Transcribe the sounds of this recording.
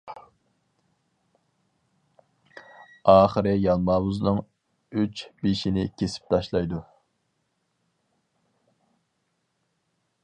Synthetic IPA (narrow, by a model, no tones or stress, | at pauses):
ɑːχəɾɪjɑlˠmɑːbuznɨŋ | yt͡ʃbeʃinɪkʲʰesɪ̥p̚t̪ʰɑʃlˠɑjd̪u